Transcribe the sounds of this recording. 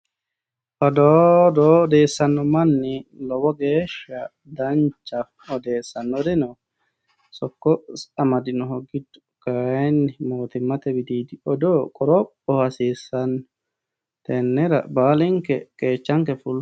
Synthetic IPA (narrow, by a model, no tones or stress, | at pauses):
ʔɔdɔdɔdɛsanːɔmanːilɔwɔɡɛʃa | daɲt͡ʃːaf | ɔdɛːsanːɔdɛnɔ | sɔkːɔsamadinɔɦoɡːid̪u̥ | kanːimoːt̪imːat̪ɛbid̪iːdiɔdɔkʼɔɾɔ | ɔhasisanːɔ | t̪ɛnːɛɾa̰baːliŋkɛkɛt͡ʃːaŋkɛful